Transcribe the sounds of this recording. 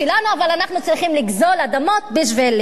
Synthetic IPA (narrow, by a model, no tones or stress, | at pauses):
ilanuavalanaχnut͡sliχimliɡzo̞lad̪amo̞t̪beʃvel